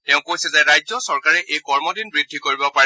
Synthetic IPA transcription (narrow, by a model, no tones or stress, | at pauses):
tɛʊ̃kojsɛzɛɹajzɔsɔɹkaɹɛʔejkɔɹmɔdinbɹidʱːikoɹibɔpa